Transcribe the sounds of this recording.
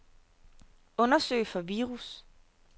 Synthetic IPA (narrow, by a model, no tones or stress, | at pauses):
ɔ̽nɐsø̰ːɪfɒ̽ʋiːʁus